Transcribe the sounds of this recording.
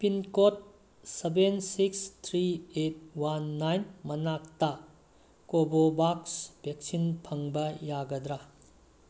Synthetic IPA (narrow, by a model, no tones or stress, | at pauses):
pinkot̚ | sebensikst̪ʰɾiet̚wanːajnmɐnak̚tɐ | kobobaksb̥ʱek̚sinpʰɐŋbɐjaɡɐd̪ɾa